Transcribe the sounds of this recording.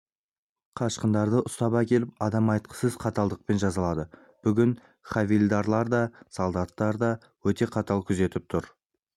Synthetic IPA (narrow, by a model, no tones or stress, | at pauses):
qʰɑʃqənd̪ɑɾd̪əʔʊst̪ɑbɑkʲe̞lɪpɑd̪ɑmɑjt̪̚qə̥səzqʰɑt̪ɑlˠd̪əq̚pe̞nʒɑzɑlˠɑd̪ə | b̥ʏɡʲɪn | χavilʲd̪ɑɾlˠɑɾd̪ɑsolˠd̪ɑt̪ːɑɾd̪ɑ | wɵt̪e̞qʰɑt̪ɑlˠkʲʰʏze̞t̪ɪp̚t̪ʰʊɾ